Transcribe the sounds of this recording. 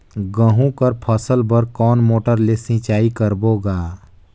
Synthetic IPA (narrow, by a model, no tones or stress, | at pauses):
ɡə̃ɦũkəɾpʰəsəlbəɾkɔːnmoːʈəɾlesɪ̃t͡ʃaːikəɾboːɡaː